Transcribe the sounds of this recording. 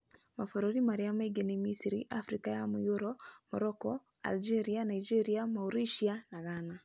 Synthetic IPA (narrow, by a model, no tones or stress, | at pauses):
mafoɾoɾimaɾiameɡenemisiɾiʔafɾikajamujoɾɔmɔɾɔkɔ | a̰ld͡ʒeɾianaid͡ʒeɾiamauɾiʃianaɣana